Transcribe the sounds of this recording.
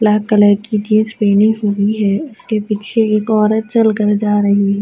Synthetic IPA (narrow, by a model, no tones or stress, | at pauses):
laːkələɾkit͡ʃĩːspeːniɦoɡiɦɛːʊskepiːt͡ʃʰeeːkɔːɾət̪̚t͡ʃɐlkəɾd͡ʒaːɾɐɦiɦɛː